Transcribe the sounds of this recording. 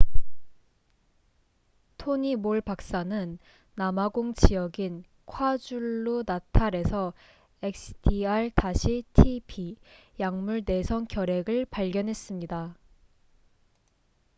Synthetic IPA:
tʰoɲimoɭpak̚s͈anɯnː | amaɡoŋt͡ɕijʌɡin | kʰwad͡ʑuɭːunatʰaɾe̞sʰʌ | ek̚sʰɯ̥dʰiaɭtaɕʰitʰipʰijaŋmuɭne̞sʰʌŋkjʌɾe̞ɡɯɭpaɭɡjʌnɦe̞s͈ɯmɲida

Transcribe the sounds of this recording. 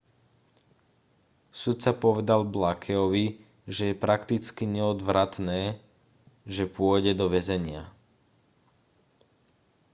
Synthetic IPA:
sut̪t͡sapɔʋɛd̪alblakʰɛɔʋi | ʒɛjɛpɾakt̪it͡skiɲɛɔd̪ʋɾat̪nɛː | ʒɛpʊɔɟɛd̪ɔʋɛzɛɲɪa

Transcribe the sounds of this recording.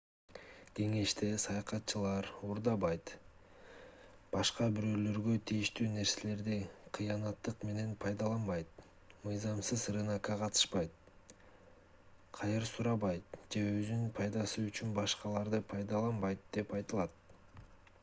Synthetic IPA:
ɡe̞ŋe̞ʃt̪e̞sɑjɑqɑt̪̚t͡ʃɯlˠɑɾuɾd̪ɑβɑjt̪ | b̥ɑʃqɑbiɾø̞ːlø̞ɾɡø̞t̪ʰijiʃt̪yːne̞ɾse̞le̞ɾd̪iqʰɯjɑnɑt̪ːɯqme̞ne̞npʰɑjd̪ɑlˠɑnbɑjt̪̚ | mɯjzɑmsɯzɾɯnɑkɑqʰɑt̪ɯ̥ʃpɑjt̪̚ | qʰɑjɯɾsuɾɑβɑjt̪̚d͡ʒe̞øzyynpʰɑjd̪ɑsɯyt͡ʃynbɑʃqɑlˠɑɾd̪ɯpʰɑjd̪ɑlˠɑnbɑjt̪̚d̪̥e̞pɑjt̪ɯlˠɑt̪̚

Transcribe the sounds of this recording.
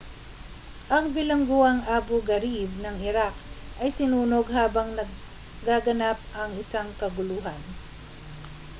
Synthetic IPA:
ʔɐŋbɪlɐŋɡʊwaŋʔaːboɡɐɾib̚nɐŋɪɾak̚ʔɐjsɪnuːnoɡɦaːbɐŋnɐɡ | ɡaɡɐnap̚ʔɐŋɪsaŋkɐɡʊlʊɦan

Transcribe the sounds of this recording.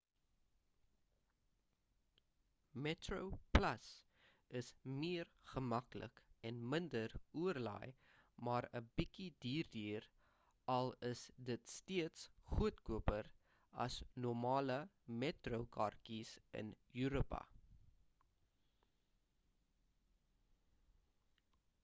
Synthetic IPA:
mɛtrowplɐs | əsmiərχəmɐklə̰kɛnməndəruərlɑ̰j | mɑːɾəbikidiːrdiːr | ʔɐlˠəsdətstiətsχuətkuəpər | ɐ̰snɔrmɑːlə | mɛtrowkʰɐ̰rkisə̰njyɾopɐ̰

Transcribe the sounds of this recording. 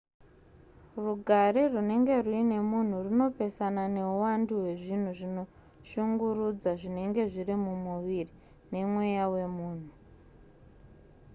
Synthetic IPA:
ruɡʱaɾirune̞ŋɡe̞ruine̞mun̤urino̞pe̞sanane̞uwanduwe̞ʐin̤uʐino̞ | ʃuŋɡurud͡zaʐine̞ŋɡe̞ʐirimumuʋiri | ne̞mwejawe̞muːn̤u

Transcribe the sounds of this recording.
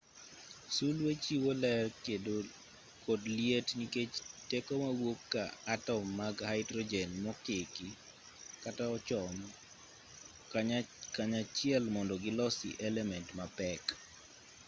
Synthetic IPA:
sulwet͡ʃiwolɛredo | kodljetniket͡ʃtekomawokːaːtɔmːaɡhaɪdɾɔd͡ʒɛnmɔkɪki | kataɔt͡ʃɔm | kaɲat͡ʃɪɛlmɔndɔɡɪlɔsḭʔɛlɛmɛntmapɛk

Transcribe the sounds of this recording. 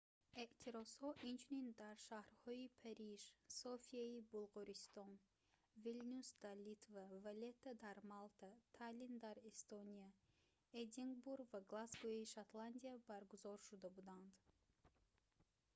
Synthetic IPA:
eʔt̪ʰiɾɔshɔʔint͡ʃʰunind̪aɾʃahɾhɔipʰaɾiʒsɔfiaibulˠʁɔɾist̪ɔn | vilnusd̪alit̪vavalet̪ʰːad̪aɾmalˠt̪ʰat̪ʰalind̪aɾest̪onia | ed̪iŋɡbuɾɡvaɡlasɡojiʃat̪land̪iabaɾɡuzɔɾʃud̪abud̪and̪

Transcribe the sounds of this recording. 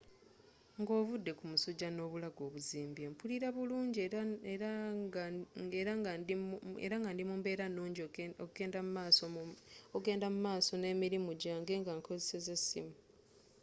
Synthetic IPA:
ŋɡo̞ːvudːe̞kumusuɟːano̞ːβulaɡo̞ːβuziːmbje̞mpuliɾaβuluːɲɟ | eɾaŋ | ḛɾaŋɡandimuːmbe̞ːɾanuːɲɟioɡeːndammaːsooɡe̞ːndamumaːso̞ne̞ːmiɾimuɟaːŋɡe̞ŋɡaŋkʰo̞zeseze̞sḭmu

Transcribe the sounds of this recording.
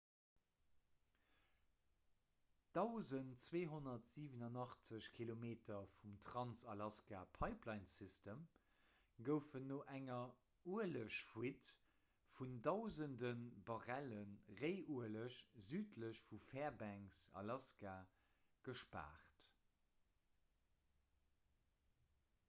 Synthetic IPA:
d̥ɑʊzəntt͡sweːɦonɐtz̥iːvənɑnɑχt͡səɕkʰilomeːtʰɐfumtʰʁɑnsɑlɑskapʰɑɪplɑɪnsistəm | ɡəʊfənːoːʔæŋɐ | uəɐləɕfwit | fundɑʊzəndənbɑʁælənʁeɪʔuələɕzyːtʰləɕfufɛːɐbæŋsɑ̰lɑska | ɡ̥əʃpa̰ːʁt

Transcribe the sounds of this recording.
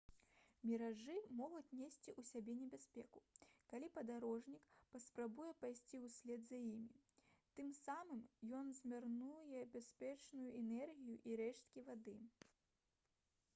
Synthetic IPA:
mʲɛɾaʐɨmɔɣut͡sʲnʲesʲt͡sʲiʔusʲabʲɛnʲɛbʲasʲpʲɛkukalʲipɐd̪aɾɔʐnʲikpɐspɾabujɛpajsʲt͡sʲiusʲlʲɛd̪zajimʲit̪ɨmsamɨmjɔnzʲmʲarnujɛbʲasʲpʲɛt͡ʂnujuɛnɛrɣʲijuʔiɾɛʂt̪̚kʲivad̪ɨ

